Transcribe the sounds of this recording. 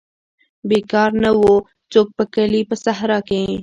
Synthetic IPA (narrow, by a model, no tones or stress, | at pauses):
beːkaːɾnɐʋoː | t͡ʃoːk̚pɐkəliːpəsɐɦɾakẽ